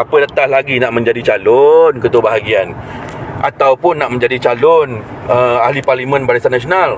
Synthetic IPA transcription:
apədat̪ahlaɡinaʔmə̃ɲd͡ʒadit͡ʃalonkət̪uəbaɦaɡianʔa̰t̪awpʊnːaʔmə̃ɲd͡ʒadit͡ʃalʊnəahliparlimə̃nbaɾasanasional

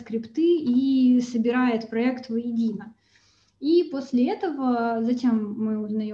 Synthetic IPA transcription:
skɾʲɪpt̪ɨisəbʲɪɾajɪt̪pɾɐɛkt̪vjɪdʲinə | ipo̞sʲlʲɪɛt̪əvəzɐtʲe̞mːɨʊznɐj

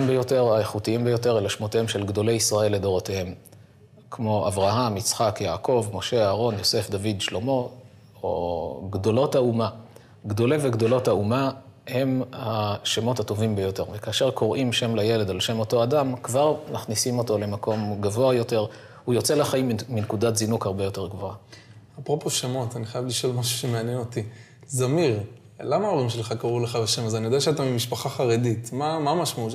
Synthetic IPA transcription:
mbejo̞te̞ʁaeχutiimbejo̞te̞ʁelaʃmot̪ehemʃelɡdo̞le̞jisʁae̞lːe̞d̪o̞ʁotehe̞m | kmo̞ʔavʁaɦamit͡sχakjaːkʰo̞vmo̞ʃe̞aːʁo̞njo̞se̞fd̪avidʃlo̞mo̞ | oɡdo̞lo̞thauma | ɡd̪o̞leve̞ɡdo̞lo̞thaumahe̞mhaʃemo̞thato̞vimbejo̞te̞ʁvekaːʃe̞ʁkʰo̞ʁʔimʃe̞mlaje̞le̞dalʃe̞mo̞to̞adamkvaʁmaχnisimo̞to̞le̞mako̞mɡavo̞ajo̞te̞ʁ | hujo̞t͡se̞laχaimːinkudatzinukhaʁbe̞jo̞te̞ʁɡvo̞aapʁopo̞ʃemo̞t̪aniχajavliʃo̞lmaʃu̥ʃemeanjeno̞ti | zamiʁ | lamaoʁimʃelχakaʁuleχaveʃemazanijodeaʃeat̪amimiʃpaχaχaʁeditmamamaʃmaut̪

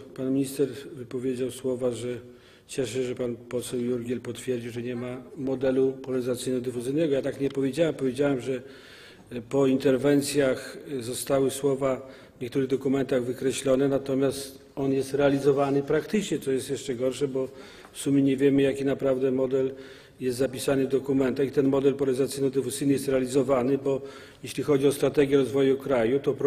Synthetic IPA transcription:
panmʲiɲist̪ɛɾvɘpɔvʲjed͡ʑawswɔvaʐɛ | t͡ɕɛʂ̬ɛʐɛpanpɔsɛwjuɾɡʲjɛlpɔt̪fʲjɛɾd͡ʑiwʐɛɲɛmamɔd̪ɛlupɔlaɾɘzat̪sjɨjnɛɡɔd̪ɨfuzɘjnɛɡɔjat̪akɲɛpɔvʲjed͡ʑawɛmpɔvʲjed͡ʑawɛmʐɛ | pɔint̪ɛɾvɛnt̪sʲjaxzɔst̪awɘswɔva | vɲɛk̚t̪uɾɘɣd̪ɔkumɛnt̪aɣvɘkɾɛɕlɔnɛnat̪ɔmʲjast̪ | ɔnjɛst̪ɾɛalʲizɔvanɘpɾakt̪ɘt͡ʂɲɛt̪sɔjɛst̪jɛʂt͡ʂɛɡɔɾʂɛbɔ | fsumʲjɛɲɛvʲjɛmɘjakʲinapɾavd̪ɛmɔd̪ɛl | jɛst̪zapʲisanɘd̪ɔkumɛnt̪axit̪ɛnmɔd̪ɛlpɔɾɛizat̪sinɔd̪ɨfuzɘjnɘjɛst̪ɾɛalʲizɔvanɘbɔ | jɛɕlʲixɔd͡ʑiɔst̪ɾat̪ɛɡʲjɛɾɔzvɔjukɾajut̪ɔp

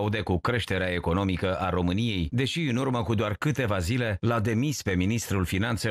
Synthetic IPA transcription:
ud̪e̞kukɾe̞ʃt̪e̞ɾeae̞ko̞no̞mikəʔaɾo̞mɨnije̞jd̪e̞ʃiɨnurməkud̪oarkɨt̪e̞vazile̞lad̪e̞mispe̞minist̪ɾulfinant̪se̞

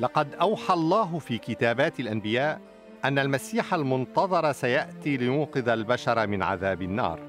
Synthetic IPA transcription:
lɑqɑd̪ʔawħalˤːɑːɦfiːkɪt̪aːbaːt̪alʔambɪjaːʔ | ʔanːalmasiːħalmʊnt̪ɑðˤɑɾˤɑsajaʔt̪iːlɪjuːqɨðalbaʃɑɾˤmɪnʕa̰ðaːbɪnːɑ̰ːɾˤ

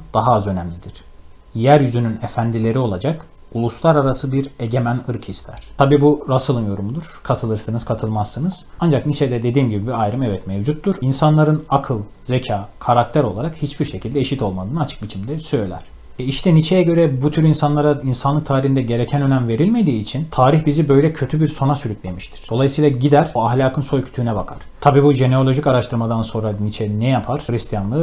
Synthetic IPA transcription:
d̪̥aɦaːzø̞næmlʲid̪iɾ̥ | jæɾjyzynynefænd̪ilʲe̞ɾio̞lˠad͡ʒak | ulˠuslˠaɾaɾasɯbiɾe̞ɟe̞mænɯɾkhist̪ʰæ̰ɾ̥t̪ʰabiːbuɾasɯlˠɯnjo̞ɾumud̪uɾ̥kʰat̪ʰɯlˠɯɾsɯnɯz̥kʰat̪ʰɯlˠmasːɯnɯz̥and͡ʒaknit͡ʃʰed̪ɛd̪e̞d̪iːmɟibibiajɾɯmɛvɛt̪mevd͡ʒut̪ːuɾinsanlˠaɾɯnakʰɯlˠ | ze̞cʰaːkʰaɾak̚t̪ʰæɾo̞̰lˠaɾakhit͡ʃbiɾʃe̞cʰilʲd̪ɛeʃit̪ʰo̞lˠmad̪ɯːnɯat͡ʃʰɯ̥k̚bit͡ʃʰimd̪ɛsø̞jlʲæ̰ɾ̥ | ɛiʃt̪ʰɛnit͡ʃʰejɛɟø̞ɾɛbut̪ʰyɾinsanlˠaɾainsanlˠɯk̚t̪ʰaːɾihind̪ɛɟe̞ɾecʰænø̞næmve̞ɾilʲme̞d̪iːt͡ʃʰint̪ʰaːɾiçbizibø̞jlʲɛcʰø̞t̪ʰybiɾso̞nasyɾycʲlʲe̞miʃt̪ʰi̥ɾ̥d̪o̞lˠajɯsɯjːlˠaɟid̪æɾ̥oaɦlʲaːkʰɯnso̞jcʰy̥t̪ʰyːnɛbakʰaɾ̥t̪ʰabiːbuʒeneo̞lʲˠo̞ʒicaɾaʃt̪ʰɯɾmad̪anso̞nɾanit͡ʃʰɛnɛjapʰaɾ̥ɾist̪ʰijanlˠɯː

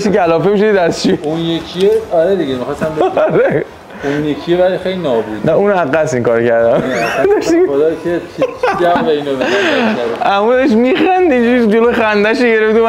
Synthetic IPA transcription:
ʃicælɒːfemiʃod̪id̪æst͡ʃiunjekʰijeɒɾed̪iɡemixɒsæmbeɾe | unjekʰievælxejlinɒːbud̪næunæɣæsiŋkɒːɾocæɾd̪æmd̪ɒʃod̪ɒkʰet͡ʃʰiævæinomeaæɾæmueʃ̬miχænd̪ind͡ʒuɾid͡ʒolojxænd̪æʃeɟe̞ɾeft̪om

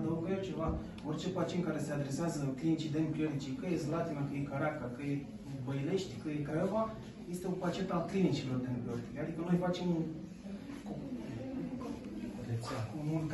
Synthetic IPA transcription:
d̪əoɡjalt͡ʃe̞va | ort͡ʃe̞pat͡ʃint̪kaɾe̞se̞ad̪ɾe̞seazəklinit͡ʃid̪enpɾʲiornit͡ʃikəjezlat̪inakəjekaɾakakəje | bəjle̞ʃt̪ʲkəjekaɾava | je̞st̪e̞opat͡ʃe̞t̪alklinit͡ʃilo̞rd̪enpɾiort̪ilʲad̪ikənojfat͡ʃe̞m | ko | d̪esakomul

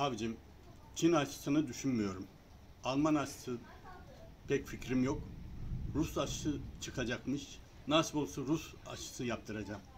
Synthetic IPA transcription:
avd͡ʒim | t͡ʃʰinat͡ʃʰɯ̥sɯnɯd̪yʃynmyjo̞ɾum | alˠmanaʃɯ̥sɯ | pʰɛcficɾimjo̞k | ɾusaʃɯt͡ʃʰɯkʰad͡ʒakmɯʃ | nasbolˠsuɾusa̰ʃɯ̥sɯjap̚t̪ʰɯɾad͡ʒam

